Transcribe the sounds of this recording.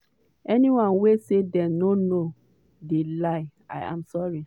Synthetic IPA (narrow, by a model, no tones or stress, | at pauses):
ɛniwãnwesedɛ̃nono | delaɪa̰jã̰msɔɹi